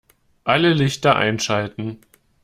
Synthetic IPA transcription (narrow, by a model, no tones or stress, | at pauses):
ʔaləlɪçtɐʔa̰ɪnʃaltn̩